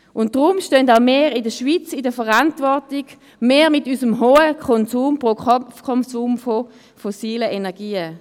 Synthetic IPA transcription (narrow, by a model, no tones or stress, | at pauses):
ʔʊnt̚d̥ʁʊmʃtøndaʊmeːʁɪdəʃviːt͡sɪdəfəʁantvɔɐtɪɡ | meːmɪtysəmɦoːəkʰɔnsuːmpʁokʰɔnsuːmfo | fɔsiːləʔenɛɐɡiːə